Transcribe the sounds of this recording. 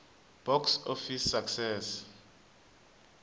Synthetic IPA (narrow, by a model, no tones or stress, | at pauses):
b̥ɔksofisːaksɛs